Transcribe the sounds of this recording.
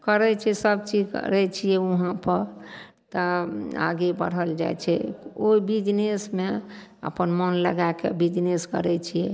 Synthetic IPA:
kəɾɛt͡ʃʰɛsəbt͡ʃid͡ʒkə̰ɾɛt͡ʃʰijɛuɦãpəɾ | t̪əa̰ɡebə̰ɽ̤əld͡ʒa̰jt͡ʃʰɛ̰oibid͡ʒnesmeə̰pənmənləɡakḛbid͡ʒneskə̰ɾɛt͡ʃʰijɛ

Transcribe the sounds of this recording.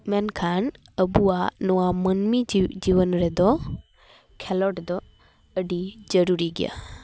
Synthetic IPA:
mɛnkʰan | əbuanɔamənmid͡ʒiʋənɾɛd̪ɔ | kʰɛlɔʈd̪ɔ | əɖid͡ʒəɾuɾiɡɪja̰ː

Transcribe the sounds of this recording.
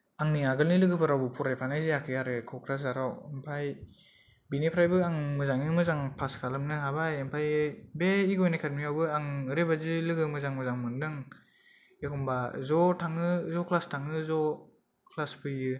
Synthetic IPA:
aŋniaɡɯlnilɯɡɯpʰaɾawbɯpʰɔɾajpʰanajzijakʰɯjaɾɯkʰɔkʰɾazaɾawempʰaj | binepʰɾajbɯaŋmɯzaŋjɯmɯzaŋpʰaskʰalɯmnɯɦabajempʰajɯbeiɡɔjnakʰat̚mijawbɯaŋɾebazɯlɯɡɯmɯzaŋmɯzaŋmɯndɯŋ | ekʰɔmbazɔtʰaŋɯzɔkʰlastʰaŋɯzɔ | kʰlasbɯjɯ

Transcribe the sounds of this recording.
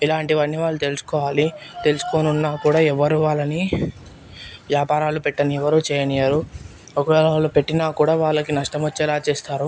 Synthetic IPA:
ilaːɳʈiʋɐnːiʋaːɭːut̪e̞lusu̥kɔːʋaːlit̪e̞lusu̥koːnunːaːkuːɽaːɛʋːɐɾuːʋaːɭːɐni | ʋjaːpaːɾaːlupɛʈːɐniɛʋɐɾuːt͡ʃɛːjɐnijaɾu | okɐlalːupe̞ʈːinaːkuːɽaːʋaːɭːɐkinɐʂʈɐmɐt͡ʃːɛːlaːt͡ʃeːst̪aːɾu

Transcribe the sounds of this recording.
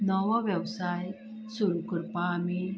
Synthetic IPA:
nɔʋaʋjəʋsaj | suɾukəɾpaːmi

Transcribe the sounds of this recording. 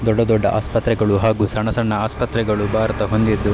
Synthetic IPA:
d̪ɔɖːɐd̪ɔɖːɐʔa̰ːspɐt̪ɾɛɡɐɭuɦaːɡuːsɐɳɐsɐɳːɐaːspɐt̪ɾɛɡɐɭubʱaːɾɐt̪ɐɦo̞nd̪id̪ːu

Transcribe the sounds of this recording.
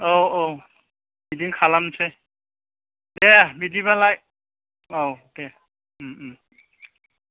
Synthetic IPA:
owow | bidiŋkʰalamsɛ | dɛbidibalaj | owdɛ | m

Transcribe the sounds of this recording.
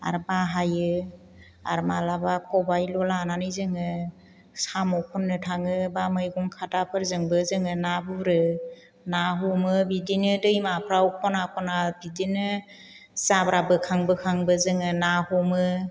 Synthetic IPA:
a̰ɾmaɦajɯ | aɾmalabakʰɔbajlɔlananɯjzɯŋɯ | samɔkʰɔnːɯtʰaŋɯbamɯjɡɔŋkʰatapʰɯɾzɯŋbɯzɯŋɯnabuɾɯ | naɦɔmɯbidinɯdɯjmapʰɾawuk̚ʰɔnakʰɔnabidinɯ | zabɾabɯkʰaŋbɯkʰaŋbɯzɯŋɯnahɔmɯ

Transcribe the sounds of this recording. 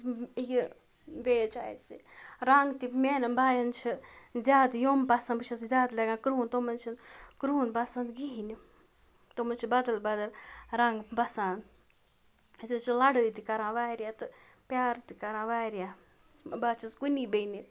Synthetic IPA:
ji | ʋeːt͡ʃa̰ːjsiɾaŋɡt̪imeːnɐnbaːjɐnt͡ʃʰizʲjaːd̪joːmpasanbɨt͡ʃʰɐszʲjaːd̪lɐɡãːkɾuːnt̪omɐnt͡ʃʰinkɾuːnbasãnd̪ɡiɦini | t̪omɐnt͡ʃʰibɐd̪ɐlbɐd̪ɐlɾaŋɡbɐsãːn | sit͡ʃʰilɐɽəjt̪ikɐɾãːʋaːɾjaːt̪ɨ | pʲjaːɾt̪ikɐɾãːʋaːɾjaː | baːt͡ʃʰisɡunibeini

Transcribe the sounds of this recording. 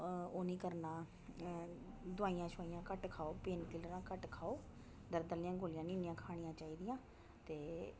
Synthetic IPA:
oːnĩːkəɾnaː | d̪ʊaːijãːʃʰʊaːijãːkəʈkʰaːoːpeːnkɪlɾãːkəʈkʰaːoː | d̪əɾd̪əlɪjãːɡoːlɪjãːnĩːnɪjãːkʰaːɽ̃ɪjãːt͡ʃaːiːd̪ɪjãː | t̪eː

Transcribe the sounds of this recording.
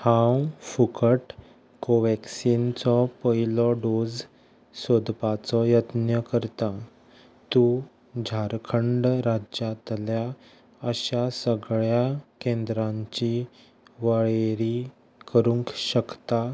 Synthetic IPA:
hãwfukʰəʈ | koʋɛksint͡sɔpəilɔɖod͡z | sod̪pat͡sɔjət̪njəkəɾt̪a | t̪u | d͡ʑʱaɾkʰəɳɖɾad͡ʑat̪lja | əɕasəɡɭjakẽnd̪ɾãɲt͡ɕi | ʋəɭeɾi | kəɾuŋkɕəkt̪a

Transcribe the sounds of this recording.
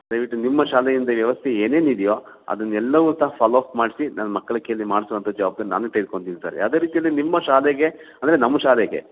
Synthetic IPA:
d̪̥ɐjʋiʈːunimːɐʃaːlɛjind̪ɐʋjɐʋɐst̪ʰeeːne̞ːnid̪ijo̞ː | ɐ̰d̪ɐnːɛlːɐʋuːt̪aːapʰaːlaːpmaːɽisinanɐmɐkːɐɭɐkeːlːimaːɽisuʋɐnt̪ʰɐd̪ːd͡ʒɐʋaːb̚d̪ɐnna̰ːnut̪ɐjd̪̚koɳɖt̪iɡt̪aːɾḛɐd̪eːɾiːt̪ijɐlːinimːɐʃaːlɛɡe̞ɐnd̪ɐɾenɐmːɐʃaːlɛɡe̞̰

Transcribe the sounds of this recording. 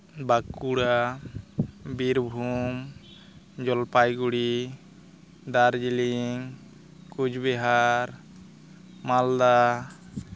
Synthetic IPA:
bakːuɽa | biɾbʱum | d͡ʒɔlpajɡuɽi | d̪aɾd͡ʒiliŋ | kud͡ʒbɛɦaɾ | mald̪a

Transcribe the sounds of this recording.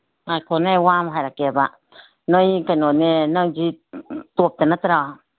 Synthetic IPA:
ajkʰonewamaɦaɾakeba | nojkanonenaŋd͡ʒit̪up̚t̪enat̪aɾa

